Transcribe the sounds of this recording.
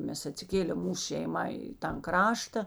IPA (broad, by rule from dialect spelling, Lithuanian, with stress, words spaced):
ˈmʲɛs ɐtʲsʲɪˈkʲeːlʲeːm ˈmuːs ʃʲɛɪˈmɐ ɪ tɐn ˈkrɑːʃtɐ